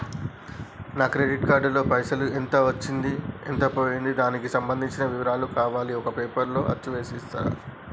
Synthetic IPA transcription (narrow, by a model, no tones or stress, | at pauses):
naːkɾeɖiʈkaːɾɖlo̞ːpɐjsɐluent̪ɐʋɐt͡ʃːind̪ient̪ɐpo̞ːjind̪id̪aːnikisɐmbɐnd̪ʱiɲt͡ʃinɐʋiʋɐɾaːlukaːʋaːliɔkɐpeːpɐɾlo̞ːʔɐ̰t͡ʃːuʋe̞ːsist̪a̰ːɾɐ̰